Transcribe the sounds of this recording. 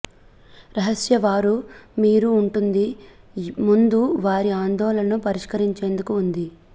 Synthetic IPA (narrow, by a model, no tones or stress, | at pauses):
ɾɐɦɐsjɐʋaːɾumiːɾuːɳʈund̪i | mund̪uʋaːɾiaːnd̪ɔːlɐnnupɐɾiʂkɐɾiɲt͡ʃe̞ːnd̪ukuːnd̪i